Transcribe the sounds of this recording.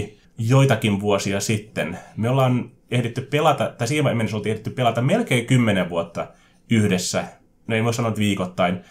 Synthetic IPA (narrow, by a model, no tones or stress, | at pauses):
joit̪ɑkinʋuosiɑsit̪ːenmiolːɑːn | ehdet̪ːyppelɑt̪ɑt̪ɑisiːmɑemːenesolt̪iehɾet̪ːyppelɑt̪ɑmmelkeːŋkymːeneʋʋuot̪ːɑ | yhdesːæ | noeimosɑnont̪ʋiːkot̪ːɑin